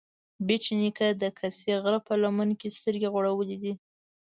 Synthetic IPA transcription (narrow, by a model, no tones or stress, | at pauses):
bet͡ʃinikad̪əkʰaseɣɾapəlamankest̪əɾɡeɣoɽawəled̪i